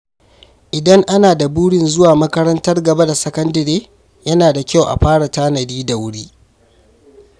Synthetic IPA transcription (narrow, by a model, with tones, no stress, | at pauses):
ʔɪ˨dɐ˦ŋʔa˦naː˨da˨buː˦ɽɪ˨nzʊ˦waː˨mɐ˦kɐ˦ɾɐ˦ntɐ˦rɡɐ˨ba˦da˨sɐ˦kɐ˦ndɐ˨ɾeː˦ | jɐ˦naː˨da˨kʲa˦˨wʔa̰˨ɸaː˦ɽa˨taː˦nɐ˨diː˦da˨wʊ˦ɽiː˦